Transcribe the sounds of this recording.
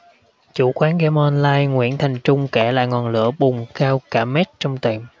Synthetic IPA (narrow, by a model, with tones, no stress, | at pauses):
t͡ɕu˧˩kwaː˨˦nɣɛ˧mɔ˧nlaː˧jŋwḭ˧˥ənt̪ʰa˨˩jŋ̟t͡ɕʊ˧ŋ͡mkɛ˧˩la̰ː˧˨˩ŋɔ˨˩nlɨ̰˧˥əɓʊ˨˩ŋ͡mkaː˧wkaː˧˩mɛ˦˥t̚t͡ɕɔ˧wŋ͡mt̪e˨˩m